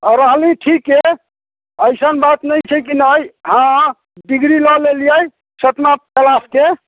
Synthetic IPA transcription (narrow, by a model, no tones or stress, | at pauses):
əɾəɦliʈʰike | əjsənbat̪nəjt͡ʃʰɛkinəjɦã | ɖiɡɾilɔlelijəj | sət̪makəlaske